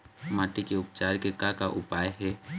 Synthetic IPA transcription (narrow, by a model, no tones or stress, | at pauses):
maːʈikeʊpt͡ʃaːɾkekakaʔʊpaːjɦɛː